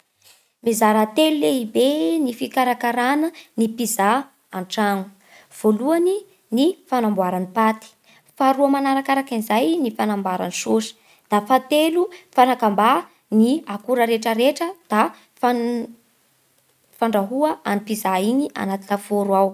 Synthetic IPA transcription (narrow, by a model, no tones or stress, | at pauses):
mezaɾat̪eluleibenifikaɾakaɾanənipiza | anʈ͡ʂaŋu̥ | v̥oluani | nifanambuaɾanipat̪i̥ | faɾuamanaɾakaɾakinizajnifanambaɾa̰nisosə̥ | d̪̥afat̪elufanakamba | niakuɾəɾeʈ͡ʂəɾeʈ͡ʂəd̪̥a | fa | faɳɖ͡ʐaɦuəʔanipizaiɲiʔa̰nat̪ilafoɾwaw